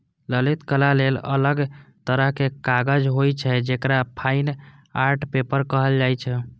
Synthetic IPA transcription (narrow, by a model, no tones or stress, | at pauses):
ləlit̪kəlalelə̰ləɡt̪əɾəɦkekaɡəd͡ʒɦojt͡ʃʰɛd͡ʒekɾapʰain | aɾʈpepəɾkəɦəld͡ʒajt͡ʃʰɛ